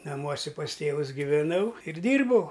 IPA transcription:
nɐˈmuɔsʲɛ pɐs ˈtʲeːʋʊs ɡʲɪʋʲɛˈnɐʊ ɪr ˈdʲiːrbɐʊ

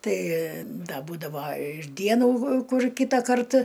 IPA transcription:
ˈtɐɪ ˈdɐ ˈbuːdɐʋɐ ɪr ˈdʲiɛnuː ˈkʊr ˈkʲiːtɐkɐrt

